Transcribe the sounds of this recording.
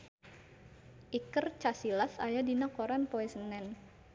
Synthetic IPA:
ʔikərt͡ʃasilasajadinakoɾanpoɛsənɛn

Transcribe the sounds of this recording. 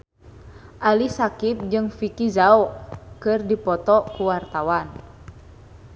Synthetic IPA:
ʔalisakip̚d͡ʒɨŋfikizaɔkɨrdipɔt̪ɔkuwart̪awan

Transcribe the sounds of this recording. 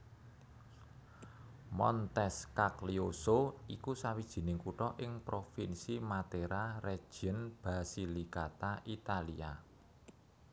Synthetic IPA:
mɔ̰nt̪ɛskakliosoikusawid̥ʒ̥i̤nɪŋkuʈɔʔɪŋpɾofinsimat̪eɾare̥ʒ̥ənb̥a̤silikat̪aʔit̪alia

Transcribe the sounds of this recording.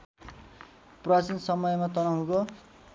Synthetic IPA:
prat͡sinsʌmʌjmat̪ʌnaɦwũko

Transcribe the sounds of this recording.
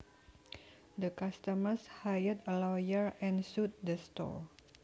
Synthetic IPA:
dəkast̪əmərshajədəlɔwjəɹɛ̃nsut̪̚dəstɔ̰ɹ

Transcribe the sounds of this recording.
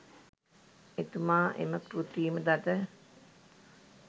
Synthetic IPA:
et̪umaːʔḛməkɾut̪iːməd̪at̪ə

